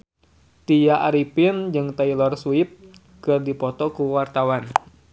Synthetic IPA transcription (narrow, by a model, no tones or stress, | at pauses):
t̪ijaʔaɾipɪnd͡ʒɨŋt̪ailɔrsuɪp̚ | kɨrdipɔt̪ɔkuwart̪awan